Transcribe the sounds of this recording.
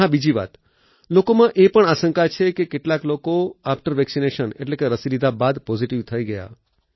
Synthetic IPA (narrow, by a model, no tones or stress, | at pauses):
ãbid͡ʒiʋa̰t̪ | lokomãʔepəɳaʃə̃ŋkat͡ʃʰekekeʈlaklokoafʈəɾʋɛksineʃənḛʈlekeɾəsilid̪ʱabad̪pɔziʈiʋt̪ʰəiɡəja̰